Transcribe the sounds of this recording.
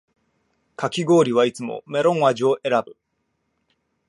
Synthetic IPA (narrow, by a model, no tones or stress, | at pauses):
kʰakʲiɡo̞ːɾʲiβ̞ait͡sɨmo̰me̞ɾõ̞ɰ̃aʑio̞ʔe̞ɾabɯ̟